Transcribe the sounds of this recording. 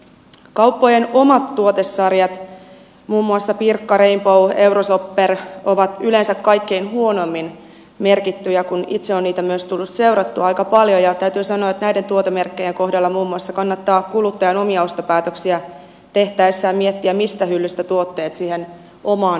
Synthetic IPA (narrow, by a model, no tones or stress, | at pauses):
kɑwpːojeno̞mɑt̪ːuot̪esːɑrjɑt̪ | muːmːuɑsːɑpirkːɑɾeimpowe̞wɾosopːero̞ʋɑt̪ylensækkɑjkːe̞inɦuo̞no̞mːin | me̞rkit̪ːyjɑkunḭt̪seo̞nniːt̪æmyøst̪ulːut̪se̞wɾɑt̪ːuɑjkɑpɑljojɑt̪æyt̪yːsɑnoɑet̪næjdent̪uot̪emerkːe̞jeŋko̞hdɑlːɑmuːmːuɑsːɑkɑnːɑt̪ːɑːkulut̪ːɑjɑno̞miɑost̪opæːt̪øksiæ | t̪e̞ht̪æijsːæːmiet̪ːiæmist̪æhylːyst̪æt̪uo̞t̪ːe̞ːt̪siːhen | ʔo̞mɑːn